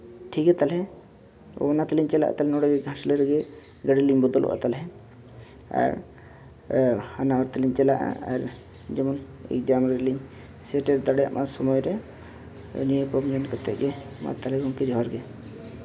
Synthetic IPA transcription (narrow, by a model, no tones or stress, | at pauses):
ʈʰikɛt̪alɛ | ɔ̰nat̪liɲt͡ʃɛla̰ʔa̰t̪alɛnɔɽaɡɛɡʱãsleɾɡɛ | ɡəɽɛliɲbɔd̪ɔlʔɔ̰ʔa̰t̪alɦɛ | a̰ɾ | hanawɔɾt̪aliɲt͡ʃɛlaʔa̰aɾ | d͡ʒɛmɔnɛ̰kd͡ʒamɾɛliɲ | sɛʈɛɾd̪aɽja̰ʔmʔasɔmɔjɾɛ | nijekɔmɲɔnkɔt̪ɛʔ̚ɡɛ | ma̰t̪alɛɡɔŋkɛd͡ʒʱɔɔɾɡɛ